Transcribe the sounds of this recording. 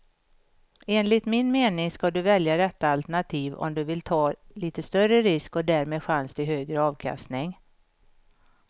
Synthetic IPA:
eːnlɪt̪mɪnmeːnɪŋskad̪ɵvɛljad̪ɛt̪ːaalt̪ɛɳat̪ʰiːvɔ̰md̪ɵvɪlt̪ʰɑːliːt̪əst̪œrəɾɪskɔd̪æːɾmeːd̪ɧanst̪ɪɦøːɡɾəɑːvkʰa̰st̪nɪŋ

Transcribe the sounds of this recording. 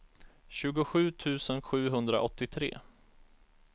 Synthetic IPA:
ɕʉ̟ːɡʊɧʉ̟ːt̪ʰʉ̟ːsənɧʉ̟ːɦɵnd̪ɾa̰ʔɔt̪ːɪt̪ʰɾḛː

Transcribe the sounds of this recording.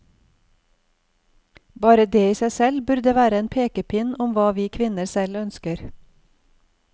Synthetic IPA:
bɑːɾəd̪eːiːsæɪsɛlbʉɾd̪əʋæːɾəeːnpʰeːkəpʰɪnʊmʋɑːʋiːkʰʋɪnəɾsɛlœnskəɾ

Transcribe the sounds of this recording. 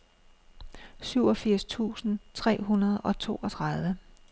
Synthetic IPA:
syʊɒ̽fiɐ̰st͡sʰṵːsn̩t͡sʰʁɛ̰ːɦunɐð̩ˠɒ̽t͡sʰo̝̰ːɒt͡sʰʁɑð̞ˠʋə

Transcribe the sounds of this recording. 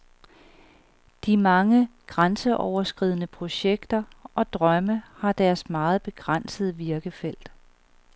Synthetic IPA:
d̥imɑ̈ŋəɡ̥ʁansəʔɒʊ̰ɐsɡ̥ʁiðˠənəpʰʁo̝ɕeɡ̥d̥ɐʔɒ̽d̥ʁɶməhɑ̈d̥æɐsmɑ̈ːð̞̩ˠb̥e̝ɡ̥ʁan̰səð̞ˠəʋiɐɡ̥əfel̰d̥

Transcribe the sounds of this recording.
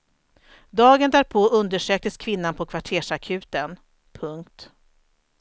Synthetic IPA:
d̪ɑːɡənd̪æːɾpʰoːɵnd̪əʂøːk̚t̪əskʰvɪnːanpʰɔkʰvaʈʰeːʂakʰʉ̟ːt̪ən | pʰɵŋk̚t̪

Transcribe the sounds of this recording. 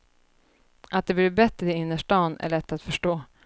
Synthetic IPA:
ʔat̪̚d̪ɛbliɾbɛt̪ɾəɪɪnːəʂʈɑːnæ̰ɭɛt̪ːat̪fœʂʈoː

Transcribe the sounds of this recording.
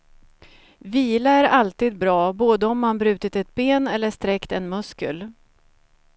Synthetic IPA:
viːlaæɾalt̪iːd̪̚bɾɑːboːd̪əɔmːanbɾʉ̟ːt̪ɪt̪ɛt̪̚beːnɛlːəʂt̪ɾɛkt̪ɛnmɵskə̰l

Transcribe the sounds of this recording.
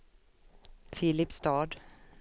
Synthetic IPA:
fɪlɪpst̪ɑːd̪

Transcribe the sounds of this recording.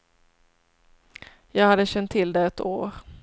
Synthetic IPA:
jɑːɡhad̪ːəɕɛnt̪ʰːɪld̪ɛɛt̪oːɾ

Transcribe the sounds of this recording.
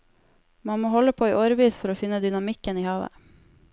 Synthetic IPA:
mɑnmoːhɔləpʰoːiːʔoːɾəʋiːsfɔɾoːfɪnəd̪ʏnɑmɪkəniːhɑːʋə̰

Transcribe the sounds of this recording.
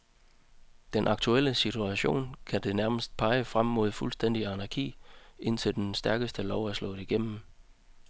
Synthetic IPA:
d̥enʔɑ̈ɡ̥t͡sʰuel̰əsit͡sʰuæɕo̝̰ːnkʰæd̥e̝næɐməsd̥̚pʰɑ̈ɪəfʁamːo̝ð̰ˠfulsd̥en̰d̥iænɑɡ̥ʰḭːʔe̝n̰t͡sʰe̝ld̥ensd̥æɐɡ̥əsd̥əlɒʊæɐslɔ̰̥̽iɡ̥em̰m̩

